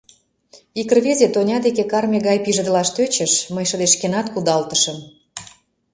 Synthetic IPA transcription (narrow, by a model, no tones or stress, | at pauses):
ikərβezʲet̪onʲɑd̪ekekɑrmʲeɣɑjpiʒə̆d̪əlɑʃt̪øt͡ɕə̆ʃməjʃəd̪eʃkenɑt̪kud̪ɑlt̪ə̥ʃəm